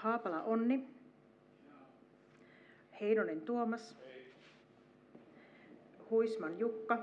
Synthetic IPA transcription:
hɑːpɑlɑʔonːi | hejnonent̪uomɑs | huismɑnjukːɑ

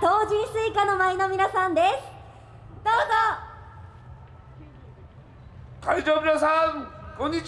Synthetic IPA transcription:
t̪o̞ːʑĩɰ̃sɨːkano̞maino̞mʲinasãnd̪e̞sɨ̥ | d̪̥o̞ːzo | kaid͡ʑoːmʲinasaŋkõɲ̟ːi

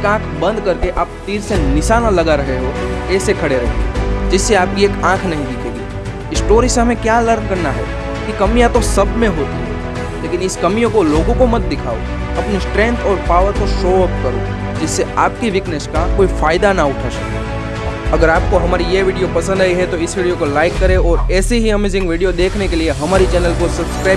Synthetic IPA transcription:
eekãːkʰbɐ̃nd̪kɐɾkeʔaːpt̪iːɾsenɪʃaːnalɐɡaɾɐɦeɦokɛːsekʰɐɽeɾɐɦẽd͡ʒɪsːeaːp̚kieːkãːkʰnɐɦĩd̪ɪkʰeːɡiː | ɪsʈoːɾiseɦɐmẽkjaːləɾnkɐɾnaɦɛ̰ | kikɐmijãt̪osɐbʱmẽɦoːt̪iɦɛ̰ | leːkɪ̃nɪskɐmijõkoloːɡõkomɐt̪̚d̪ɪkʰa̰ːo̰ | ɐpnisʈɾɛ̃ːnt̪ʰɔːɾpaːʋəɾk̪oʃoːəp̚kɐɾo̰ | d͡ʒɪsːeaːp̚kiʋɪkneʃkakoːifaːɪd̪anaʊʈʰaʃɐ̰kḛ | ɐɡəɾaːp̚koɦɐmaːɾijeʋɪːɖijopɐsə̃nd̪aːiɦɛt̪oɪsʋiːɖijokolaːɪkːɐɾẽɔːɾɛːseɦiɐmeːzɪ̃ŋɡʋiːɖijod̪eːkʰnekelieɦɐmaːɾit͡ʃɛːnəlkosɐbskɾaːɪ

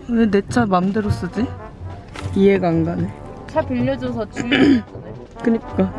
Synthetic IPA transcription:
nenet͡ɕʰamamdeɾos͈ɯd͡ʑi | pieɡaŋɡane | t͡ɕʰapiʎːʌd͡ʑʌs̬ʰʌt͡ɕu | kɯɲik͈a

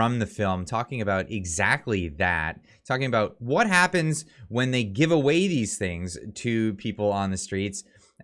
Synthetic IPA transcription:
ɹʌ̃mðɨfɪlˠmtʰɔkɪ̃ŋɨbaʊɾɪɡzæk̚tˡliðæ̰tʰ | ɔkɪ̃ŋɨbaʊt̚wʌt̚ɦæpɨ̃nzwə̃nðeɪɡɪvəweɪðiz̥θɪ̃ŋz̥tʰɨpʰipl̩ˠə̃nðɨstɹ̥its

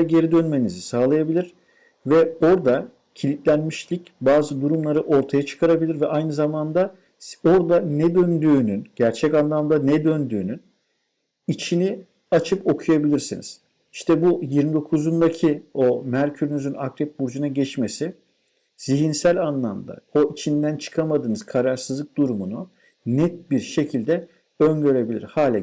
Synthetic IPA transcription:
aɟe̞ɾid̪ø̞nme̞nizisaːlˠajabilʲiɾ̥ | vɛo̞ɾd̪a | cʰilʲit̪lʲænmiʃlʲic | baːzɯd̪uɾumlˠaɾɯʔo̞ɾt̪ʰajat͡ʃʰɯ̥kʰaɾabilʲiɾvɛʔajnɯzamand̪a | o̞ɾd̪anɛd̪ø̞nd̪yːnynɟ̥æɾt͡ʃʰɛcanlˠamd̪anɛd̪ø̞nd̪y̰ːnyn | it͡ʃʰini | at͡ʃʰɯpo̞kʰujabilʲiɾsḭnḭz̥ | iʃt̪ʰɛbujiɾmid̪o̞kʰuzund̪acʰio̞mæɾcʰyɾynyzynakɾɛp̚buɾd͡ʒunaɟɛt͡ʃmesi | z̥iɦinsælʲanlˠamd̪a̰o̞ʔit͡ʃʰind̪ænt͡ʃʰɯ̥kʰamad̪ɯːnɯz̥kʰaɾaɾsɯzlˠɯk̚d̪̥uɾumunu | nɛt̪̚biɾʃe̞cʰilʲd̪ɛ | ønɟø̞ɾe̞bilʲḭɾhaːlʲa

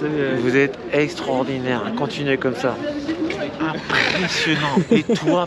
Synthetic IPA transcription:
vuzɛt̪ | ɛkst̪χɔʁd̪inɛʁɛ̃kɔ̃t̪inɥɛkɔmsa | ɛ̃pχesjɔnɑ̃et̪ʰwwa

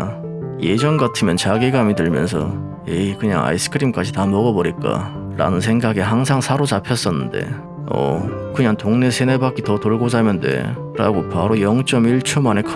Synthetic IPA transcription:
je̞d͡ʑʌnɡatʰɯmjʌnt͡ɕaɡiɡamitɯɭmjʌ̰nsʰʌ̰ | ekɯɲa̰ŋa̰is͈ʰɯ̥kʰɯɾimk͈ad͡ʑitamʌɡʌbʌɾik͈a̰ | ɾa̰nɯns̬ʰe̞ŋɡaɡeɦaŋsʰaŋsʰaɾot͡ɕapʰjʌs͈ʌnːɯnde̞̰ | ʌ̰kɯɲaŋtoŋne̞sʰene̞bak͈itʌtoɭɡosamjʌnde̞̰ | ɾa̰ɡopaɾojʌŋt͡ɕ͈ʌmiɭt͡ɕʰomane̞kʰ

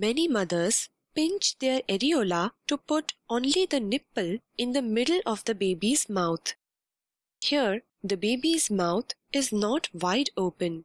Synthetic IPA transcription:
mɛnimʌd̪əɾz̥ | pɪ̃nt͡ʃd̪eɾɛɾioːlaʈupʊʈõːnlid̪ənɪpəl | ɪ̃nd̪əmɪɖəl̩ʔɔʋd̪əbeːbizmaʊt̪ʰ | hiəɾ | d̪əbeːbizmaʊt̪ʰɪznɔʈʋaɪɖoːpə̃n

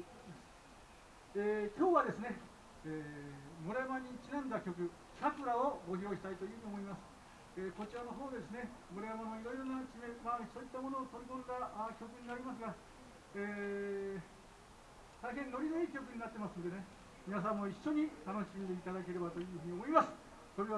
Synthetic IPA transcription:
masɨ̥ | eːkʲoːβad̪e̞sɨne̞ | eːmoɾajamaɲ̟it͡ɕinãnd̪akʲo̞kɯ̟ | ɕakɯɾaoɡo̞çʲo̞ːɕi̥t̪ait̪o̞jɯːɲ̟io̞mo̞imasɨ̥ | eːko̞t͡ɕiɾano̞ɦo̞ːd̪ed̪e̞sɨne̞moɾajamanoiɾo̞iɾo̞nakimemaso̞ːit̪ːamo̞no̞ːt̪o̞ɾʲikõnd̪akʲo̞kɯ̟ɲ̟inaɾʲimas̬ɨɡa | eː | t̪aiɦẽ̞nːo̞ɾʲinɯikʲo̞k̬ɯ̟ɲ̟inat̪ːe̞masɨnod̪e̞ne̞ | mʲinas̬ãmːo̞iɕːo̞ɲ̟it̪ano̞ɕimʲid̪e̞it̪ad̪ake̞ɾe̞bat̪o̞jɯ̟ːɸɯ̟ɲ̟io̞mo̞imasɨ̥ | so̞ɾe̞βa

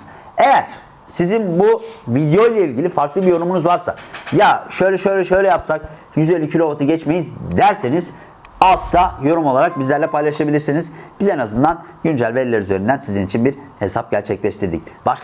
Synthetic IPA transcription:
e̞jæɾ̥ | sizinbuvid̪jo̞jlʲeilʲɟilʲifaɾklˠɯbijo̞ɾumunuzvaɾsa̰jaʃø̞jlʲɛʃøjlʲɛʃø̞jlʲɛjapsak | jyzelʲycʰilʲo̞vat̪ʰuɟɛt͡ʃmejizd̪æɾse̞niz̥ | alˠt̪ːʰajo̞ɾumo̞lˠaɾak̚bizlʲæɾlʲɛpʰajlˠaʃabilʲiɾsinizb̥izenazɯnd̪an | ɟynd͡ʒælʲvelʲːeɾizønynd̪ænsizinit͡ʃʰinbiɾhe̞sap̚ɟæɾt͡ʃʰɛclʲɛʃt̪ʰiɾd̪ḭcb̥aʃ

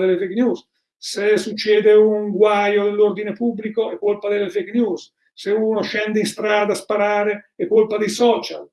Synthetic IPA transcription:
d̪elːefeknjuːs | sesut͡ʃːɛːd̪euŋɡwajod̪elːord̪inepubːlikoɛkːolpad̪elːefeknjus | seuːnoʃɛnd̪einst̪ɾaːd̪aspaɾaːɾeɛkːolpad̪ejsɔːt͡ʃa̰l

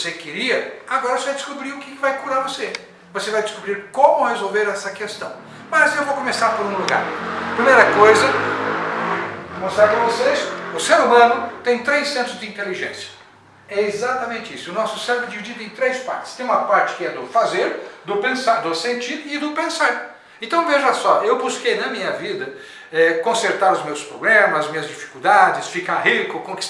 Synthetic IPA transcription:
osekɪɾiɐaɡɔɾɐosevajd̪ɪskubɾiɾʊkɪkɪvajkuɾaɾvose | vosevajd̪ɪskubɾiɾkõmʊhezowveɾɛsɐkest̪ɐ̃w̃ | mɐzewvokomesaɾpoɾũluɡa̰ɾpɾimejɾɐkojzɐ | võsakɐ̃vosesʊseɾumɐ̃nʊt̪ẽj̃t̪ɾejsːẽnt̪ɾʊzd̪ɪĩnt̪eliʒẽsjɐ̥ | ɛezat̪ɐmẽnt͡ʃɪisʊʊnɔsʊsɛ̃ɾbɾʊd͡ʒivid͡ʒid̪ʊẽj̃t̪ɾejspa̰ɾt͡ʃɪ̥st̪ẽj̃ũmɐpaɾt͡ʃɪ̥kɪɛd̪ʊfazeɾd̪ʊpẽsaɾd̪ʊsẽnt͡ʃiɾɪd̪ʊpẽsaɾ | ẽnt̪ɐ̃w̃veʒɐsɔʔewbuskejnɐmĩɲɐvid̪ɐ | ɛkõseɾt̪aɾʊzmewspɾoblẽmɐzzmĩɲɐzd͡ʒifi̥kuwd̪ad͡ʒɪsfikaɦikʊkõki̥s

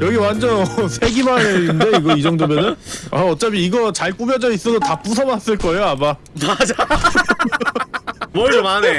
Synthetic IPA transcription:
jʌɡiwand͡ʑʌnʌsʰe̞ɡimaɾeinde̞iɡʌid͡ʑʌŋdomjʌnɯnaʌt͡ɕ͈abiiɡʌt͡ɕaɭk͈ubjʌd͡ʑʌis͈ʌdotap͈us̬ʰʌbas͈ɯɭk͈ʌejoama | mad͡ʑa | oane

